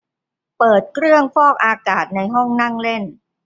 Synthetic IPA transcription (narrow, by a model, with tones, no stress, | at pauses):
pɤː˨˩t̪̚kʰɾɯ˥˩əŋfɔː˥˩k̚ʔaː˧kaː˨˩t̪̚na˧jɦɔ˥˩ŋna˥˩ŋle˥˩n